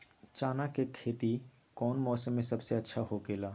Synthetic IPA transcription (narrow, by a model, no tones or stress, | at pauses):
t͡ʃaːnakekʰeːt̪i | kɔːnmɔːsəmːẽsɐbseɐtːʃʰaɦokeːlaː